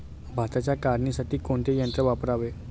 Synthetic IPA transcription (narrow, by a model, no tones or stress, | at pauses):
bʱat̪at͡ɕjakaɾnisaʈiːkoɳt̪ʰejənt̪ɾəʋapəɾaʋe